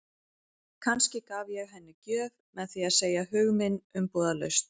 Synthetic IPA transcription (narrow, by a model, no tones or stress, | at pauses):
kʰanscɪkaːvjɛɣɦɛnːɪcœːvmɛðθiaðseːjahʏɣmɪnːʏmpɔːðalœ̰ɥst̪